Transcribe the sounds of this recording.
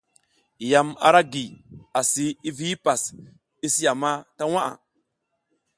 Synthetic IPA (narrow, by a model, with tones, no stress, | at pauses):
ja˨ma̰˨ɾa˦ɡi˨a˨si˨i˦vi˦i˦pa˨s | i˦si˦ja˨ma˦ta˦wa˦ʔa̰˨